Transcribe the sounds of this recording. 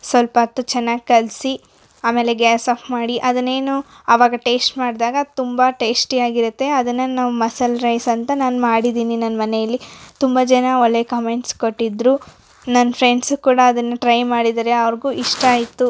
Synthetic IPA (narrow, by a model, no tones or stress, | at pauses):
sʋɐlpɐt̪ːut͡ʃɛnːaːɡikɐlsi | aːme̞ːle̞ɡeːsaːpʰmaːɽiʔɐd̪ɐnːe̞ːnu | ɐʋaːɡɐʈe̞ːsʈmaːɽd̪aːɡɐt̪umbɐʈe̞ːsʈiaːɡiɾut̪ːe̞ɐd̪ɐnːɐnaːʋumɐsɐlɾɐjsɐnt̪ɐnaːnumaːɽid̪iːninɐnːɐmɐnejɐlːit̪umbɐd͡ʒɛnɐoɭːekɐme̞ɳʈskoʈːid̪ɾu | nɐnːɐpʰɾeɳɖsukuːɽɐːd̪ɐnːɐʈɾɐjmaːɽid̪ɐɾeɐʋɐɾɡuːʔiʂʈɐaːjit̪ːu